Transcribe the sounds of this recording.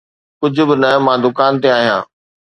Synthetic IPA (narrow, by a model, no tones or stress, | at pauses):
kʊd͡ʑʱʊ̆bɪnəmãːd̪ʊkaːnt̪̬eaːɦijã̰ː